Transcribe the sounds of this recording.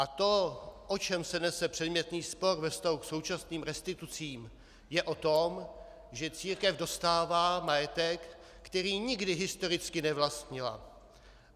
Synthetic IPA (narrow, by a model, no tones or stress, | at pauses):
ʔat̪o̞ʔot͡ʃɛmsɛnɛsɛpr̥ɛdmɲɛt̪niːspo̞ɾvɛfst̪aɦukso̞wt͡ʃasniːmɾɛst̪ɪt̪ut͡siːm | jɛʔo̞t̪o̞m | ʒɛt͡siːɾkɛvdo̞st̪aːvaːmajɛt̪ɛkː | t̪ɛɾiːɲɪɡdɪɦɪst̪o̞ɾɪt͡skɪnɛvlast̪ɲɪla̰